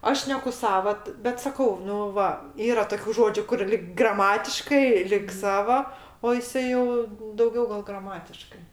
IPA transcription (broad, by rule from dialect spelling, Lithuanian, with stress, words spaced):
ˈɐʃ ˈʃʲnʲæːkʊ ˈsɑːʋɐ t bʲɛt sɐˈkɐʊ ˈnʊ ˈʋɐ ˈiːrɐ toːˈkʲuː ˈʒoːd͡ʒʲuː kʊr lʲɪk ɡrɐˈmɑːtʲɪʃkɐɪ lʲɪk ˈsɑːʋoː oː jɪˈsɐɪ jɛʊ dɐʊˈɡʲɛʊ ɡɐlˠ ɡrɐˈmɑːtʲɪʃkɐɪ